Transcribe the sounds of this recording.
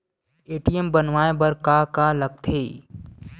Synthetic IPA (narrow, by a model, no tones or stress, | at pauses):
eːʈijəmbənʋaːebɐɾkaːkaːlɐɡ̚t̪ʰeː